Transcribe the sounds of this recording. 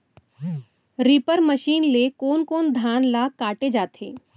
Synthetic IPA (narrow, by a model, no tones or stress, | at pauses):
ɾiːpəɾməʃiːnlekoːnkoːnd̪ʱaːnlaːkaːʈed͡ʒaːt̪ʰḛː